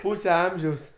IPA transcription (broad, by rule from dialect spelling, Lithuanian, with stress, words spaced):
ˈpuːsʲɛ ˈɐmʲʒʲɛʊs